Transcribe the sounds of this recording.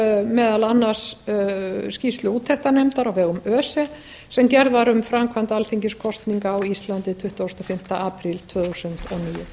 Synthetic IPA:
mɛːðalanːas | scifst̪lʏuːt̪ʰɛht̪anɛmt̪aɾawvɛːɣʏmœːsɛ | sɛmcɛɾðvaɾʏmfɾamkʰvant̪alθiɲcɪskʰɔst̪niŋkawist̪lant̪ɪt̪ʰʏht̪aowst̪ɔfɪm̥t̪aʔaːpɾilt̪ʰvœːθusʏnt̪ɔniːjʏ̰

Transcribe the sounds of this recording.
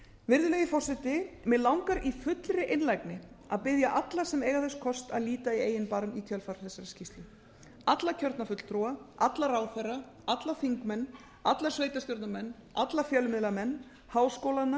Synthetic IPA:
vɪɾðʏlɛjðɪfɔr̥sɪt̪ɪmɛðlawŋkaɾifʏt̪lɾɪʔɪnlajknɪ | a̰ðpɪðjaʔat̪lasɛmɛːjɣaθɛskʰɔst̪a̰ðliːt̪aieːjɪnpaɾmit̪ʰjœlfaɾ̥θɛsːaɾascist̪lʏ | at̪lacʰœɾt̪nafʏt̪l̥t̪ʰɾɔaʔat̪laraːwθɛrːa | at̪lafiŋkmɛnː | at̪lasveːjt̪ast̪jɔɾt̪namɛnː | at̪lafjɛlʏmɪðlamɛnː | haːwskoːwlanːa

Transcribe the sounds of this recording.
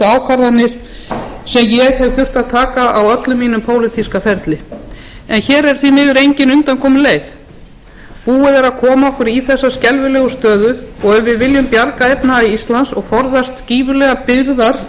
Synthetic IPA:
aːwkʰaɾðanːɪɾ̥ | sɛmjɛɣhɛvθʏr̥t̪aðt̪ʰaːkaawœt̪lʏmːiːnʏmpʰoːwlɪt̪ʰiskafɛɾt̪lɪ | ɛnçɛːɾɛɾ̥θvimɪɣʏɾejɲcɪnʏnt̪ankʰɔːmʏleːjθ | puːɪðɛɾaðkʰɔːmaɔhkʏɾiθɛsːascɛlvʏlɛːɣʏst̪œːðʏɔɣɛɾvɪðvɪljʏmpjaɾkaepnaiist̪lansɔɣfɔɾðast̪ciːvʏlɛɣapɪɾðaɾ̥

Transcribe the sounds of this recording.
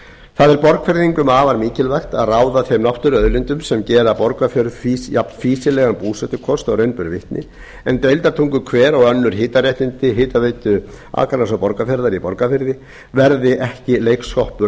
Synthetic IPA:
θaðɛɾpɔɾkfɛɾðiŋkʏmaːvaɾmiːcɪlvɛjxt̪aðraːwðaθejmnɔwht̪ʏɾœðlɪnt̪ʏmsɛmcɛːɾapɔɾkafjœɾðfisjapnfiːsɪlɛːɣanpuːsɛt̪ʏkʰɔst̪areɥnpʏɾvɪht̪nʔɪ̰ | ɛnt̪ejlt̪aɾt̪ʰuŋkʏkʰvɛːɾɔɣœnːʏɾ̥ɦɪːt̪arjɛjht̪ɪnt̪ɪɦɪːt̪aveːjt̪ʏ | a̰ːkaɾnasapɔɾkafjɛɾðaɾipɔɾkafɪɾðɪ | vɛɾðɪʔɛhcɪleːjkskɔhpʏ

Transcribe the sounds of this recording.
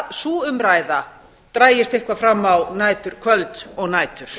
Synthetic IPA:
suːʏmɾaːjða | t̪ɾaːjɪst̪ehkvafɾamːawnaːjt̪ʏɾ̥kʰvœlt̪ɔɣnaːjt̪ʏɾ̥

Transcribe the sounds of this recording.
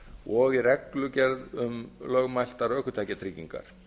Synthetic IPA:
ɔɣɪɾɛklʏcɛɾðʏmlœɣmajl̥t̪aɾœhkʏt̪ʰajcat̪ʰɾiːciŋka̰ɾ̥

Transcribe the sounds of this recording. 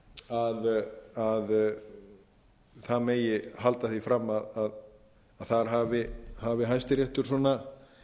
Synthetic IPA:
aðað | θaðmeːjɪɦalt̪aθifɾamːaðað | aðθaɾ̥ɦaːvɪhavɪɦajst̪ɪɾjɛht̪ʏɾ̥sɔna

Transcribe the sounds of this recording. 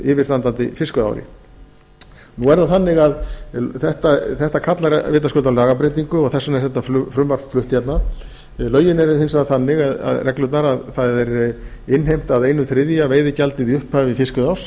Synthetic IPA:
ɪvɪ̥st̪ant̪ant̪ɪ̰fɪskʏða̰wɾɪ̰ | nuvɛɾðaθanːɪɣaðθɛht̪aθɛht̪akʰat̪laɾvɪːt̪askʏlt̪awlaːɣapɾejt̪̬iŋkʏɔɣθɛsːʏnɛsɛht̪ːaflfɾʏmvar̥fflʏht̪çɛt̪na | lœːɥjɪnɛɾhɪnsaðθanːɪɣaða̰ðrɛklʏt̪naɾaðθaðɛɾ | ɪnɦejm̥t̪aðejnʏθɾɪðjaveːjðɪcalt̪ɪðiʏhpavɪfɪskʏðaws

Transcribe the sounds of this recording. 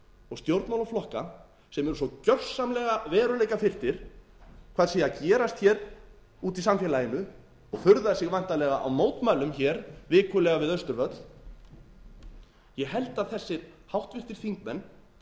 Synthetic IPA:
ɔɣst̪jowɾt̪mawlaflɔhka | sɛmɛɾʏsɔcœr̥samlɛɣavɛːɾʏlejkafɪr̥t̪ɪɾ̥ | kʰvaːðsiːacɛːɾast̪çɛːɾ | uːt̪isamfjɛlajɪnʏ | ɔɣfʏɾðaðsɪɣvan̥t̪alɛːɣaʔa̰wmoːwt̪maɥlʏmçɛːɾvɪːkʰʏlɛɣavɪðœst̪ʏɾvœt̪l̥ | jɛɦɛlt̪aðθɛsːɪhawht̪vɪr̥t̪ɪɾ̥θiŋkmɛnː

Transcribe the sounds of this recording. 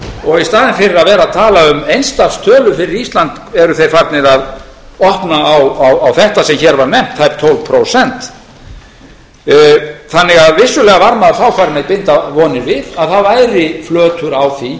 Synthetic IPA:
ɔɣist̪aːðɪnfɪɾɪɾaðvɛːɾaðt̪ʰaːlaʏmejnst̪afst̪ʰœːlʏfɪɾɪɾist̪lant̪ | ɛɾʏθejfaɾt̪nɪɾaðɔhpnaːwawawθɛht̪asɛmçɛɾvaɾnɛm̥t̪hajp̚t̪ʰowlpʰɾowsɛnt̪ | θanːɪɣaðvɪsːʏlɛːɣavaɾmaðaɾθawkʰvaːɾɪmejt̪̚pɪnt̪avɔːnɪɾvɪðaðθavaːjɾɪflœːt̪ʏɾawθi

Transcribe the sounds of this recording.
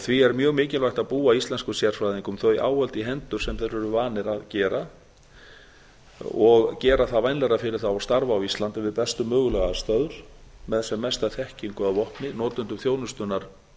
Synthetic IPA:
θviɛɾmjœːɣmɪːcɪlvajht̪aðpuːaist̪lɛnskʏsjɛr̥sfɾajðiŋkʏmθœɥjʔaːwhœlt̪iɦɛnt̪ʏɾ̥sɛmθejɾʏɾʏvaːnɪɾaðcɛːɾa | ɔɣcɛːɾaθaðvajnlɛɾafɪɾɪɾ̥θawast̪aɾvaːwist̪lant̪ɪvɪðpɛst̪ʏmœːɣʏlɛɣast̪aːðʏɾ̥mɛðɛsɛmːɛst̪aθɛhciŋkʏaðvɔhpnɪnɔːt̪ʏnt̪ʏmθjoːwnʏst̪ʏnaɾ̥

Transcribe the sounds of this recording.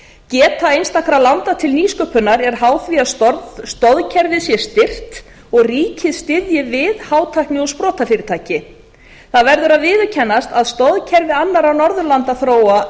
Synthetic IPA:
cɛːt̪aejnst̪akɾalant̪at̪ʰɪlniːskœːpʏnaɾɛɾ̥ɦaːwθviast̪ɔɾðst̪ɔðcʰɛɾvɪsjɛst̪ɪr̥t̪ | ɔɣriːcɪðst̪ɪðjɪvɪðhaːwt̪ʰajhknɪɔspɾɔːt̪afɪːɾɪt̪ʰaːjcɪ | θaðvɛɾðʏɾaðvɪːðʏcʰɛnːast̪aðst̪ɔðcʰɛɾvɪanːaɾanɔɾðʏlant̪aθɾoːwa

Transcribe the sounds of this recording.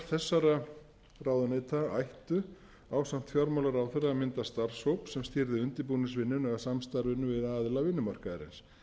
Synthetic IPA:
θɛsːaɾa | raːwðʏneːt̪ʰaajht̪ʏ | aːwsan̥t̪fjɔɾmawlaɾaːwθɛɾamɪnt̪ast̪aɾ̥showpsɛmst̪ɪɾðɪʏnt̪ɪpunɪsvɪnːʏnɛɣasamst̪aɾvɪnʏvɪðaːðlavɪnːʏmar̥kaðɪɾɪ̰ns

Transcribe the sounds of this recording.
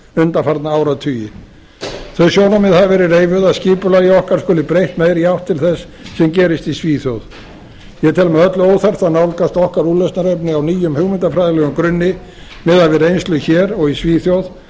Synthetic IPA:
ʏnt̪afaɾt̪naawɾaðt̪ʰyːjɪ | θœɥsjoːwnamɛðhaðvɛːɾɪreːjvʏðaðsciːpʏlajɪɔhkaɾskʏːlɪpɾejht̪meːjɾiawht̪ʰːɪlθɛsː | ɛmcɛːɾɪst̪isviːθjowð | jɛt̪ʰɛlmɛœt̪lʏoːwθɛr̥t̪anawlkast̪ɔhkaɾuːlœst̪naɾejpnɪawniːjʏmhʏɣmɪnt̪afɾajðɪlɛːɣʏmkɾʏnːɪ | mɛːðavɪɾejnst̪lʏçɛːɾɔɣisviːθjowð

